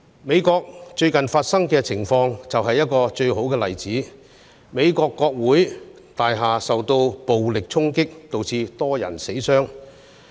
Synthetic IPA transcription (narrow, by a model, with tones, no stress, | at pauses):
me˨˧jkɔː˧k̚t͡ʃɵ˧ɥkɐ˨˩nfaː˧t̚sɐ˥ŋkɛː˧t͡sʰɪ˨˩ŋfɔː˧ŋt͡sɐ˨wɦɐ˨jːɐ˥t̚kɔː˧t͡ʃɵ˧ɥɦo˨˥wkɛː˧lɐ˨˩jt͡siː˨˥ | me˨˧jkɔː˧kːɔː˧k̚wuː˨˥j | t̪aː˨jɦaː˨sɐ˨wt̪o˧wpo˨wlɪ˨k̚t͡sʰʊ˥ŋkɪ˥k̚t̪o˨wt͡sʰiː˧t̪ɔː˥jɐ̰˨˩nse˨˥jsœː˥ŋ